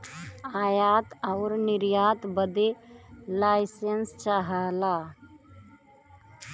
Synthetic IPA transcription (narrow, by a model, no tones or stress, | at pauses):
aːjaːt̪ɐwɾnɪɾjaːt̪bəd̪elaːɪsenst͡ʃaɦaːlaː